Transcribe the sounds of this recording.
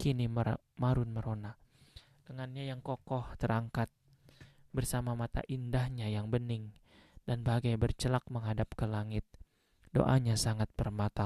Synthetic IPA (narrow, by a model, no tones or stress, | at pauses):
kinim | maɾʊnməɾona | d̥əŋanɲajaŋkokɔht̪əɾaŋkat̪̚ | bərsamamat̪a̰ʔindahɲajaŋbənɪŋ | danbaɡajbərt͡ʃəlak̚məŋɦadap̚kəlaŋɪt̪̚ | do̰ʔa̰ɲasaŋat̪̚bərmat̪a